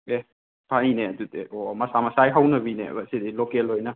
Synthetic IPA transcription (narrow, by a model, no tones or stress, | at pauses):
e | pʰanineɐdutḛɔmɐsamɐsajɦawnɐbinḛbasedilokelojnɐ